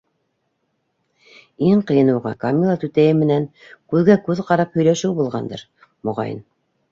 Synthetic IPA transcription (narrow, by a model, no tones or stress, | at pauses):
iɴqɤ̆jɤ̆nɤ̆wʁɑkamʲilˠat̪ʉt̪æjɘmɘ̆næŋkʉðɡækʉðqɑɾɑphɵ̆jlæʃɘwbulˠʁɑnd̪ɤ̰ɾ | mŏʁɑ̰jɤ̰n